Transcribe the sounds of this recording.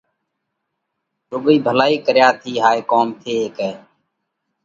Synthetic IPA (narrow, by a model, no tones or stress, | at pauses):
tʊɡəiːbʱəlaːiːkəɾjaːt̪ʰiːɦaːeːkoːmt̪ʰeːeːkɛː